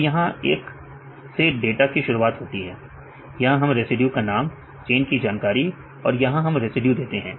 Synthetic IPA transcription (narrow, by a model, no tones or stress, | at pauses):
jɐɦãeːk | seɖeːʈakiʃʊɾuaːt̪ɦoːt̪iɦɛː | jɐɦãɦɐmɾesɪɖjukanaːm | t͡ʃeːnkid͡ʒaːnkaːɾi | ɔ̰ːɾjɐɦãɦɐmɾesɪɖjud̪eːt̪eɦɛ̃ː